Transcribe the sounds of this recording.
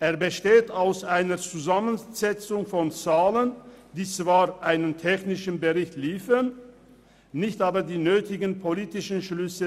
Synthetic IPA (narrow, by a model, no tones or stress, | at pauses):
ʔeːɐbəʃteːtaʊsʔaɪnət͡suzamənz̥ɛt͡sʊŋfɔnt͡saːlənd̥iːt͡sv̥aːʁʔaɪnəntʰɛçnɪʃn̩bəʁɪçtliːfən | nɪçtʔaːbɐdiːnøːtɪɡən̩pʰoliːtɪʃn̩ʃlʏsə